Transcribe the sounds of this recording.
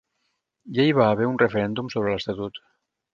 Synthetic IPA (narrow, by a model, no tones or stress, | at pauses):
ʒaiβ̞aːβ̞eɾunrəfəɾɛnd̪umsoβ̞ɾələst̪at̪ut̪